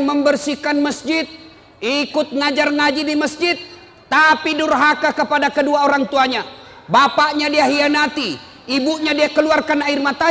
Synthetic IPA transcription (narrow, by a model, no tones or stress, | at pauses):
məmbərsikanməsd͡ʒɪt̪̚ | ikʊt̪̚ŋad͡ʒarŋad͡ʒidiməsd͡ʒɪt̪̚ː | apidʊrɦakakəpadakəduaoɾaŋt̪uaɲa | bapaʔɲadiaɦianat̪iː | buʔɲadiakəluarkanairmat̪a